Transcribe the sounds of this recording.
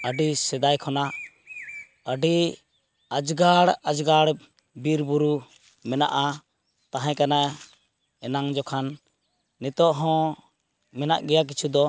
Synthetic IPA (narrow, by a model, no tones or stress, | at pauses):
əɖisɛd̪ajkʰɔna | əɖi | ad͡ʒɡaɽad͡ʒɡaɽ | biɾbuɾu | mɛna̰ʔa | t̪ãɦɛ̃kana | ɛnaŋd͡ʒɔkʰanː | it̪ɔʔɦɔ̃ | mɛnaʔɡɛjak̬it͡ʃʰud̪ɔ